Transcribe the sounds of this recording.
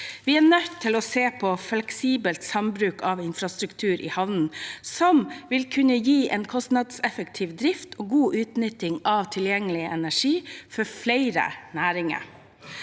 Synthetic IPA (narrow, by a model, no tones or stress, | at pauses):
ʋɪːæːnœt̪ʰːɪloːseːpʰɔflɛksiːbəlt̪sɑmbɾʉːkɑʋɪnfɾɑst̪ɾʉkt̪ʰʉːɾʔɪ̰ːhɑʋnn̩sɔmʋɪlkʰʉnəjiːʔɛnkʰɔst̪nɑd̪sɛfək̚t̪ʰiːʋd̪ɾɪft̪ʰoːɡuːʔʉːt̪nʏt̪ːɪŋɑʋt̪ʰɪljɛŋːəlɪəʔɛnæʂiːfɔɾfleɪɾə̰næːɾɪŋə̰ɾ